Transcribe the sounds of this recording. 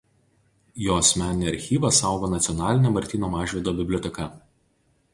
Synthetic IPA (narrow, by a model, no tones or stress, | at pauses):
joːɐsʲmʲæˑnʲɪnʲeɐɾʲxʲiːʋɐsɑˑʊɡoːnɐt̪sʲiɔnɑːlʲɪnʲemɐɾʲt̪ʲiːnoːmɑːʒʲʋʲiɛd̪oːbʲɪbʲlʲɔt̪ʲɛkɐ